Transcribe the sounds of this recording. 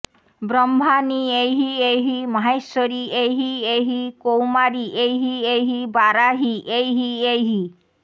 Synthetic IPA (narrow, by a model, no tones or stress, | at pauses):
bɾɔmbʱaniejɦiejɦimaɦejsɔɾiejɦiejɦikowmaɾiʔejɦiejɦibaɾaɦiʔejɦiejɦi